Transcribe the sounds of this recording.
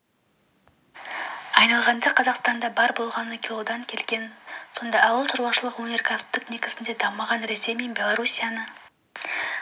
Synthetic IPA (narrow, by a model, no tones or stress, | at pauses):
ɑjnɑlˠʁɑnd̪ɑqʰɑzɑqst̪ɑnd̪ɑbɑɾbo̞lˠʁɑnəkʲilˠod̪ɑŋkʲʰe̞lɡʲe̞nso̞nd̪ɑːwəlˠʃəɾwɑʃəlˠəqwonʲe̞rkʰast̪əkne̞kʲɪ̥sɪnd̪e̞d̪ɑmːɑʁɑnɾe̞se̞jmenbʲe̞lˠoɾusʲijanə